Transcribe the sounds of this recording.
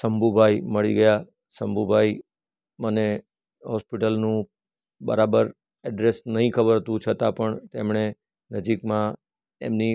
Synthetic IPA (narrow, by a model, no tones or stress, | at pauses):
səmbʱubʱaiməɭḭɡəja | səmbʱubʱai | məne | ɦɔspiʈəlnũ | bə̰ɾabəɾ | ɛɖɾesnəɦĩkʰəbəɾt̪ũt͡ʃʰət̪apəɳt̪emɳe | nəd͡ʒikmã | ḛmni